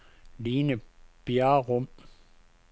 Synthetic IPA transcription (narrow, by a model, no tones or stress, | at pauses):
liːnəb̥jæʁɔm